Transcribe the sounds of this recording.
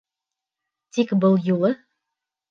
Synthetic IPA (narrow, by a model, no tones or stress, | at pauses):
t̪ikbɤlˠjulˠɤ